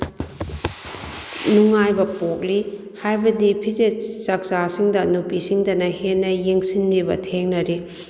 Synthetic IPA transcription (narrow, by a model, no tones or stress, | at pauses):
nuŋajbɐpok̚li | hajbɐdipʰizet͡ʃɐk̚sasiŋdɐnupisiŋdɐnɐhenːɐjeŋsinɾibɐ̰tʰeŋnɐɾi